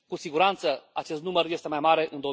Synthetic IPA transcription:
kusiɡuɾant̪səat͡ʃe̞st̪numərje̞st̪e̞majmaɾe̞ʔɨnd̪o

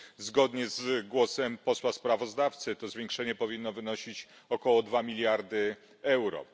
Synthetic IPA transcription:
zɡɔd̪ɲɛzɡwɔsɛmpɔswaspɾavɔzd̪aft̪sɘt̪ɔzvʲjeŋkʂɛɲɛpɔvʲinːɔvɘnɔɕit͡ɕ | ɔkɔwɔd̪vamʲilʲjaɾd̪ɘ | ɛwɾɔ̰

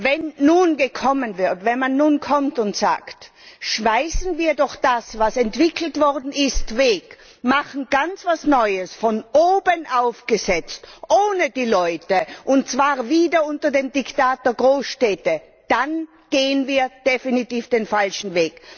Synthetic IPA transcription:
vɛnːuːnɡəkʰɔmənvɪɐtvɛnmanːuːnkʰɔmtʊntz̥a̰ːkt | ʃv̥aɪsn̩viːɐdɔχd̥asvasɛntv̥ɪkʰl̩tv̥ɔʁdn̩ɪstveːk | maχn̩ɡ̥ant͡sv̥asnɔʏəsfɔnʔoːbənʔaʊfɡ̥əzɛt͡stʔoːnəd̥iːlɔʏtəʔʊntt͡sv̥aːʁviːdɐʊntɐdeːmdɪktaːt̚d̥ɛɐɡʁoːsʃtɛːtə | d̥an | ɡ̥eːənviːɐd̥efinitiːfd̥eːnfalʃn̩veːk

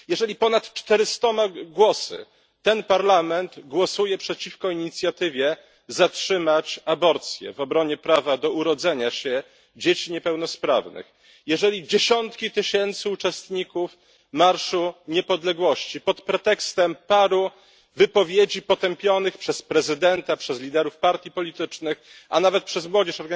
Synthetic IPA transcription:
jɛʐɛlʲipɔnat̪t͡ʂt̪ɛɾɘst̪ɔmaɡwɔsɘ̰ | t̪ɛnpaɾlamɛnd̪ɡwɔsujɛpʂɛt͡ɕifkɔiɲit̪sʲjat̪ɘvʲjɛ | zatʂɘmat͡ɕabɔɾt̪sʲjɛ̰vɔbɾɔɲɛpɾavad̪ɔuɾɔd̪zɛɲaɕɛ | d͡ʑet͡ɕiɲɛpɛwnɔspɾa̰vnɘ̰x | jɛʐɛlʲid͡ʑeɕɔnt̪kʲit̪ɘɕɛnt̪sɘut͡ʂɛst̪ɲikuf | maɾʂuɲɛpɔd̪lɛɡwɔɕt͡ɕipɔt̪pɾɛt̪ɛkst̪ɛmpaɾu | vɘpɔvʲjed͡ʑipɔt̪ɛmpʲjɔnɘxpʂɛspɾɛzɘd̪ɛnt̪apʂɛzlʲid̪ɛɾufpaɾt̪ʲjipɔlʲit̪ɘt͡ʂnɘx | anavɛt̪̚pʂɛzmwɔd͡ʑɛʂɔɾɡa

